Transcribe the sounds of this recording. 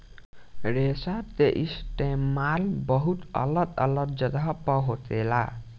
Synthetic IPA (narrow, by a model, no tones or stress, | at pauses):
ɾesat̪eʔisʈemalbʌɦut̪ʌ̰lʌt̪ʌ̰lʌt̪̚d͡zʌd̪ʱʌpʌɦot̪ela